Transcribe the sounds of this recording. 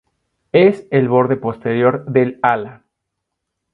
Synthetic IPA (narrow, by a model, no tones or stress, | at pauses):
ese̞lβo̞ɾðe̞po̞st̪eɾjo̞ɾðe̞lala